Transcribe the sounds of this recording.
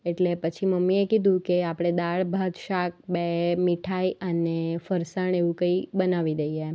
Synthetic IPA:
eʈlepət͡ʃʰiməmːiekid̪ʱũkeapɽ̃ed̪aɭbʱat̪ʃak̚bemiʈʰaiʔənefəɾsəɳeʋũkəibənaʋid̪əje

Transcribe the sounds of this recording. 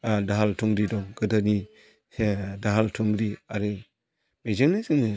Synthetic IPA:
adaɦaltʰuŋɾidɔŋɡɯdani | daɦaltʰuŋɾiaɾɯ | mezɯŋnazɯŋni

